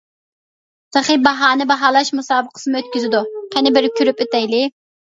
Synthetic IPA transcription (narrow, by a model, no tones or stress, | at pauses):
t̪ʰəχibɑɦɑːnɨbɑɦɑːlˠɑʃmusɑːbəqʰə̥sɨmɨøt̪̚kʲyzɪd̪uqʰænɪbɪɾɪkʲʰyɾypøt̪ɛjlɪ